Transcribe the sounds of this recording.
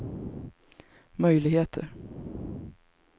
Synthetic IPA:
mœjlɪɡheːt̪ʰə̰ɾ

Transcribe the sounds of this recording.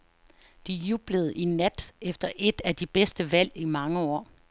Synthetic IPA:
d̥ijub̥ləð̞̩ˠinæd̥efd̥ɐʔe̝d̥æd̥ib̥esd̥əʋæl̰imɑ̈ŋəɒ̰ː

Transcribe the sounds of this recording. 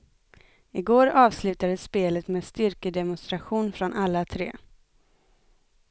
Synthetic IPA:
ɪɡoːɾɑːvslʉ̟ːt̪ad̪əspeːlət̪meːd̪st̪ʏɾkəd̪ɛmʊnst̪ɾaɧuːnfɾɔnʔalːat̪ʰɾḛː

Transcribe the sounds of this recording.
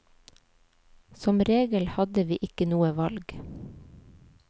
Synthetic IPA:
sɔmɾeːɡəlhɑd̪əʋiːʔɪkənuːəʋɑlɡ

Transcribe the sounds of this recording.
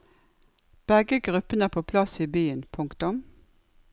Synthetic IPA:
b̥ɛɡəɡʁʉpənæːpʰoːpʰlɑsiːbyːənpʰʊŋkt̪ʊm

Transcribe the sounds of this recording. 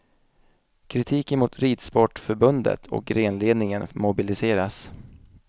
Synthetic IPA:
kʰɾɪt̪ʰiːkənmʊːt̪ʰɾiːd̪spɔʈːfœɾbɵnd̪ə̰t̪ʰɔ̰k̚ɾeːnleːd̪nɪŋənmʊbɪlɪseːɾas

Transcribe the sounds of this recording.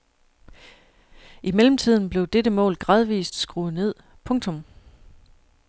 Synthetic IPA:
imelm̩t͡sʰið̰ˠn̩b̥le̝ʊd̥eɾəmɔ̰̽ːlɡ̥ʁɑ̈ːðˠʋḭːsd̥sɡ̥ʁuːð̩ˠne̝ð̰ˠ | pʰɔ̽ŋt͡sʰɔ̽m

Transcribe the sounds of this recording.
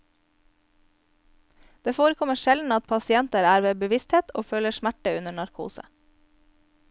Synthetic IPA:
d̪̥eːfoːɾəkʰɔməʃɛld̪n̩ɑt̪̚pʰɑsɪɛnt̪əɾæːɾʋeːbəʋɪst̪heːt̪ʰo̰ːføːləʃmæʈəʉnəɳɑɾkʰṵːsə̰

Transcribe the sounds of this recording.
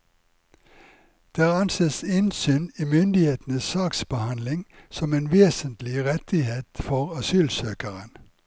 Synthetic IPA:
d̪̥eːɑnseːsɪnsyːniːmʏnd̪ɪheːt̪n̩əssɑːksbəhɑnlɪŋsɔmeːnʋeːsənt̪lɪʁɛt̪ɪheːt̪fɔʁɑsyːlsøːkəʁən

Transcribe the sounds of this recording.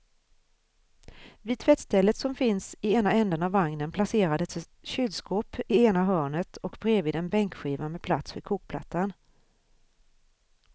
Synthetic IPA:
vɪd̪̚t̪ʰvɛt̪st̪ʰɛlːət̪sɔmfɪnsɪeːnaɛnd̪ənavːaŋnənpʰlaseːɾad̪ɛt̪ | ɕʏlskoːpɪeːnaɦœːɳət̪ʰɔkbɾeːvɪd̪ɛnbɛŋkɧiːvamɛpʰla̰t̪sfœɾkʰuːk̚pʰla̰t̪ʰːan

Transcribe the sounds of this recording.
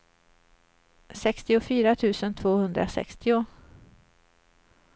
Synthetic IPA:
sɛkst̪ɪʊfyːɾat̪ʰʉ̟ːsənt̪ʰvoːhɵnd̪ɾa̰sɛ̰kst̪ɪʊ

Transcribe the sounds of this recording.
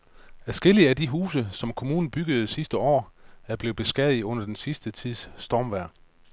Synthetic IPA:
æsɡ̥e̝liəæd̥iɦuːs̬əsɒ̽mkʰo̝muːnn̩b̥yɡ̥əð̞̩ˠsisd̥əɒ̰ːæɐb̥le̝ːb̥e̝sɡ̥ɛðˠiɔ̽n̰ɐd̥ensisd̥ət͡sʰið̰ˠsːd̥ɒːmʋæɐ̰

